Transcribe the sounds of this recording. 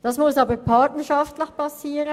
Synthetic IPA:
d̥ɑsmʊsɑːbəpʰɑɹtnəʃɑftləçpʰɑsiːʁə

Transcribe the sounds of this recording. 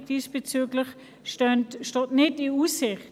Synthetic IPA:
d̥iːsb̥et͡syːɡlɪχ | ʃtœntʃtɔːtnɪtiuːsɪχt

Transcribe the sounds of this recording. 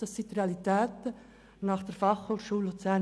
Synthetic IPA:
d̥ɑsːit̪reɑlitɛːtə | nɑχd̥əɾfɑχholʃuːlːot͡sæ

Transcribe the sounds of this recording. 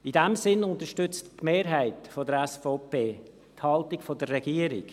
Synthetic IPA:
idɛmsɪnʊnt̪əʃtʏt͡stmeːɾɦæɪtfɔdəɾɛsfɔːpeː | thɑltɪɡfɔdərːɛɡiəɾɪ̰k

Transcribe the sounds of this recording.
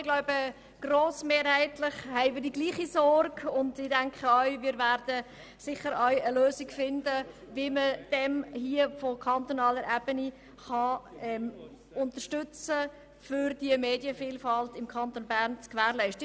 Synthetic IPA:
ɪɡ̥laʊbə | ɡ̥roːsmeːɾhɛɪtlɪχhɛɪmɪːdiɡliːχisɔrɡʊndɪd̥æŋkχəœʏmɪːɾvæɾdə | sɪχːəɾœʏəløːsɪɡfɪndə | viməd̥ɛmhiəfɔkʰɑnt̪onɑːləɾʔɛb̥əni | χɑɛm | ʊntərʃtʏt͡sə | fʏɾdiəmeːdjəfiːlfɑltɪmkʰɑnt̪onbæɾnt͡skʋæːɾlɛɪʃtə

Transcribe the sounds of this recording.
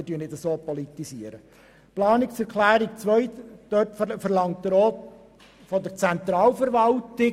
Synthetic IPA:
ɪdyənɪdəsoːpɔlit̪isiəɾə | plɑːnɪksɛɾklæːɾikt͡sʋœʏtd̪̥øtfəɾlɑŋt̚d̪əɾoːt̪ | fɔdəɾt͡sɛnt̪ɾɑːlfəɾʋɑlt̪ɪ

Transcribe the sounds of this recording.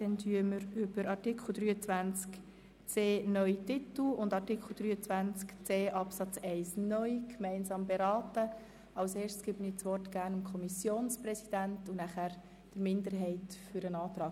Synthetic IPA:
d̥ɛntʰyəməɾʏb̥əɾɑɾtikʰl̩d̥ɾyːət͡svænt͡sk | t͡seːnœʏtɪtl̩ʊndɑɾtikχl̩ˠd̥ɾyːət͡sʋænt͡skt͡seːʔɑpsɑt͡sɛɪsnœʏkʰmɛɪnsɑːmbeɾɑːtə | ɑʊseːʃtsɡ̥ɪbənɪt͡sʋɔrtɡ̥æːɾnəmkʰɔmisjoːnsprɛsid̥æntunæχæːɾ | d̥əɾmɪnd̪əɾɦɛɪtfʏɾənɑːt̪ɾɑː

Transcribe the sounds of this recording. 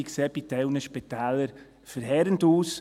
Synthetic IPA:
ikseːb̥itɛʊwnəʃpɛt̪ɛːləɾ | fəɾɦɛɾəntuːs

